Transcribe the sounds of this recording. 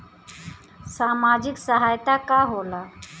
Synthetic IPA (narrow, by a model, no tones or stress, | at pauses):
samad͡ʒiksəɦajt̪akaɦola